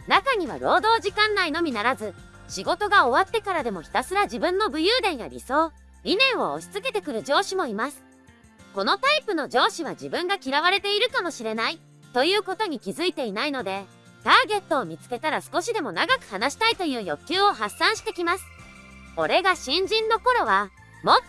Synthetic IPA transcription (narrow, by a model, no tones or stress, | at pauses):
nakaɲ̟iβ̞a̰ɾo̞ːd̪o̞ːʑikãnːaino̞mʲinaɾazɨ | ɕiɡo̞t̪o̞ɡao̞βat̪ːe̞kaɾad̪e̞mo̞çʲi̥t̪asɨɾaʑibɯ̟̃nːo̞bɯ̟jɯːd̪ẽ̞ɰ̃ja̰ɾʲḭso̞ː | ɾʲinẽ̞ɰ̃o̞̰ːɕi̥t͡sɨke̞t̪e̞kɯ̟ɾɯ̟d͡ʑo̞ːɕimo̞imasɨ̥ | ko̞no̞t̪aipɯ̟no̞d͡ʑo̞ːɕiβ̞ad͡ʑibɯ̟̃ŋɡakʲiɾaβaɾe̞t̪e̞iɾɯ̟kamo̞ɕiɾe̞nai | t̪o̞jɯ̟ːko̞t̪o̞ɲ̟ikʲizɨit̪e̞inaino̞d̪e̞ | t̪aːɡe̞t̪ːo̞ːmʲit͡sɨ̥ke̞t̪aɾasɨ̥ko̞ɕid̪e̞mo̞naɡakɯ̟̥hanaɕi̥t̪ait̪o̞jɯ̟ːjo̞kʲːɨːo̞ɦasːãɰ̃ɕi̥t̪e̞kʲimasɨ̥ | o̞ɾe̞ɡaɕĩɲ̟d͡ʑĩnːo̞ko̞ɾo̞βa | mo